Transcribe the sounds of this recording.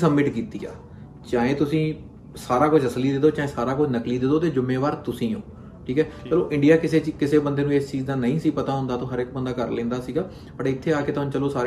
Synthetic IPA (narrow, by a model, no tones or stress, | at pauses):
səmːɪʈkiːt̪iːa̰ː | t͡ʃãːẽːt̪ʊsĩː | saːɾaːkʊd͡ʒʰəsliːd̪ed̪oːt͡ʃaːẽːsaːɾaːkʊt͡ʃʰnəkliːd̪ed̪oːt̪eːd͡ʒʊmːeːʋaːɾt̪ʊsĩːõ̰ː | ʈʰiːkɛːt͡ʃt͡ʃəloːʔɪ̃ɳɖijaːkɪseːikɪseːbənd̪eːnũːeːst͡ʃiːzd̪aːnəĩːsiːpət̪aːɦʊ̃nd̪aːt̪õːɦəɾɪk̚bənd̪aːkəɾlẽːnd̪aːsiːɡaː | pəʈɪt̪ʰːeːaːkeːt̪oɦnũːt͡ʃəloːsaːɾ